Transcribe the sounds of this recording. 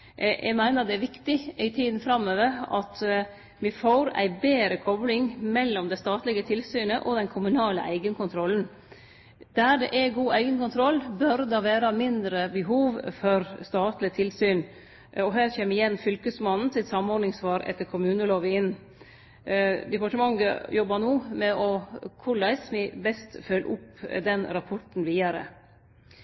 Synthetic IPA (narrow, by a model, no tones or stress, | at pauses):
jʔæ̰ɪmæɪnəɾɑt̪d̪ɛæʋɪkt̪ɪæɪt̪ʰiːd̪n̩fɾɑmːøːʋəɾɑt̪ | ʋɪfoːɾæ̰ɪbeːɾəkʰɔblɪŋmɛlːɔmd̪æst̪ɑːt̪lɪɡət̪ʰɪlsyːnəʔɔd̪ɛnkʰʊmʉnɑːlə̰ʔæɪɡənkʊnt̪ʰɾɔln̩ | d̪æɾɖɛ̰ʔæɡuːæɪɡənkʊnt̪ʰɾɔlːbœɾd̪ɑʋæːɾɑmɪnd̪ɾəbəɦuːʋfɔɾst̪ɑːt̪lɪt̪ʰɪlsyːn | ɔɦæːɾçeːməɪjɛnːfʏlkəsmɑnn̩sɪt̪sɑmɔɾɖnɪŋsʋɑːɾɛ̰t̪ːəɾkʰʊmʉːnəloːʋəɪnː | d̪ɛpɑʈəmɑŋːə̰jɔbɑnuːmɛʔɔkʰʊɭæɪsmɪbɛst̪fœlʔʊpd̪ɛnɾɑpʰɔʈn̩ʋiːɑɾə̰